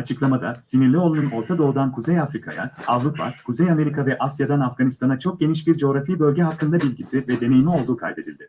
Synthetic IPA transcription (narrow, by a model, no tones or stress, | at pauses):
at͡ʃʰɯklˠamad̪a̰siniɾlʲio̞lˠununo̞ɾt̪ʰad̪o̞ːd̪ankʰuzejafɾikʰa̰ja̰avɾupʰa̰kʰuzejame̞ɾikʰavɛʔasjad̪anafɡanist̪ʰanat͡ʃʰo̞k̚ɟʲe̞niʃbiɾd͡ʒeo̞ɾafibø̞lʲɟɛɦakʰːɯnd̪abilʲɟisivɛd̪e̞me̞jmio̞lˠd̪uːkʰa̰lʲd̪e̞d̪ilʲd̪ɪ